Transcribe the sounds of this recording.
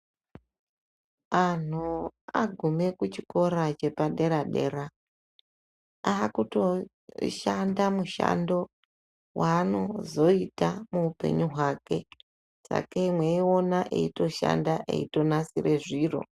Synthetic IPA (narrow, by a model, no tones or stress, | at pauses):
an̤uaɡʱume̞kut͡ʃiko̞ɾat͡ʃe̞paɗe̞ɾaɗe̞̰ɾa | aːkuto̞ | ʃandamuʃa̰ndo̞ | wʔaːno̞zo̞itamuupe̞̰ɲuɦwake̞ | sa̰kamweeonaʔḛito̞ʃa̰ndaʔḛito̞nasire̞ʐiːro̞̰